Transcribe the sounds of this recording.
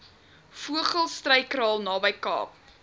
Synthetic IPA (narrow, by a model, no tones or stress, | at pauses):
fuəχəlˠstrɐjkrɑːlˠnɑːbəjkɑ̰ːp̚